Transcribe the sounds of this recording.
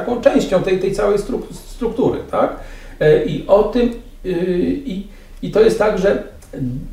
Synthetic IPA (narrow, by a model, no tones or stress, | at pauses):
akɔ̃w̃t͡ʂɛ̃w̃ɕt͡ɕɔ̃w̃t̪ɛjt̪ɛjt̪sawɛjst̪ɾukst̪ɾukt̪uɾɘ̰t̪ʰak | ʔiʔɔt̪ɘm | i | it̪ɔjɛst̪ːaɡʐɛ